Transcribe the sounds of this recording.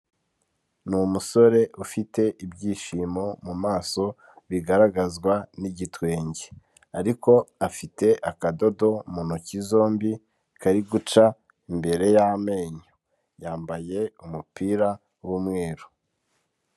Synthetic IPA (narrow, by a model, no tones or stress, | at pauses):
numuso̞ɾe̞ʔufite̞ʔibɟiːʃimo̞mumaːso̞ | βiɡaɾaɡazɡwaniɟitwe̞ːɲɟe | aɾiko̞afite̞ʔakado̞do̞munocizo̞ːmbi | kaɾiɡut͡ʃa | imbe̞ɾe̞jame̞ːɲo | jaːmbaje̞umupiːɾa | wumŋe̞ːɾu̥